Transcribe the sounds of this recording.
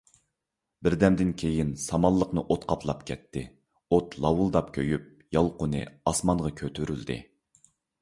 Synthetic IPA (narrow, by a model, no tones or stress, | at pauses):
bɪɾd̪ɛmd̪ɪnkʲʰejinsɑmɑlˠːəqnɨʔot̪qʰɑpʰlˠɑpkʲʰɛt̪ʰːɪ | ot̪lˠɑwʊlˠd̪ɑp̚kʲʰøjyp̚ | jɑlˠqʊnɨ̰ɑsmɑnʁɑkʲʰøt̪ʰyɾyld̪ɪ̰